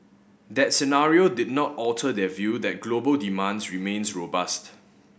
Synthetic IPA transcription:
d̪ɛt̚sɛnaɹiodɪd̚nɔtɔltʰədɛvjudɛt̚ɡlobəldimãnsɹimẽnsɹobast

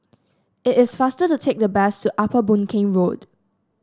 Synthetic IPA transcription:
ɪtɪsfastətutʰek̚dəbɛstuʔapəbũnkʰẽŋɹod

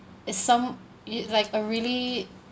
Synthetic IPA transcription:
ɪtsãm | laɪkəɹili

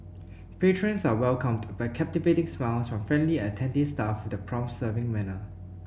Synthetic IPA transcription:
pʰetʰɹə̃nsawɛlkə̃mdbaɪkʰɛp̚tivetɪ̃ŋsmalsfɹɔ̃mfɹɛ̃ndliətʰɛ̃ndɪstafudəpʰɹɔ̃msəvɪ̃ŋmɛnə

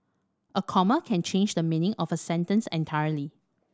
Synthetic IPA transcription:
ʔəkʰɔməkʰɛ̃nt͡ʃʰẽnd͡ʒdəminɪ̃ŋɔvəsɛ̃ntə̃nsɛ̰̃ntʰaɪəli

